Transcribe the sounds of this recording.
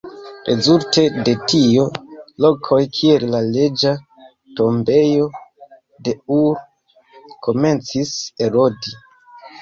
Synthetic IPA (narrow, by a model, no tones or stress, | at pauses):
ɾʔe̞zulte̞de̞tio̞lo̞kʰo̞jkʰie̞llale̞d͡ʒa | to̞mbe̞jo̞ | de̞uɾ | kʰo̞me̞nt͡sise̞ɾo̞di